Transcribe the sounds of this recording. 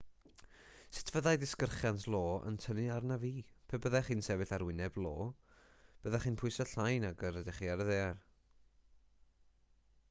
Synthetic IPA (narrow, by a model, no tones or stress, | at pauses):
sɪ̥tʰv̥əðajdɪskərχjantʰlˠoːə̰ntʰəniarnaviːpʰəbəðaχiːnsɛvɨθaɾwɪnɛblˠoː | b̥əðaχiːnpʰʊjsɔɬajnaɡəɾədɪχiːaɾəðear